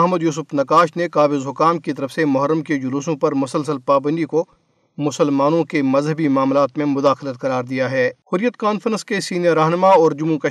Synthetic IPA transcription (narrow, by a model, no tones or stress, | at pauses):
ɐɦməd̪juːsʊfnɐkaːʃnekaːbɪzɦʊkaːmkit̪ɐɾəfsemʊɦəɾːəmked͡ʒʊluːsõpɐɾmʊsəlsəlpaːbə̃nd̪iko | mʊsəlmaːnõkemɐzɦəbimaːmlaːt̪mẽmʊd̪aːxlət̪̚kɐɾaːɾd̪ijaɦɛːhʊɾijət̪kaːnfəɾə̃nskesiːnijəɾːaːɦnəmaɔːɾd͡ʒʊmukɐ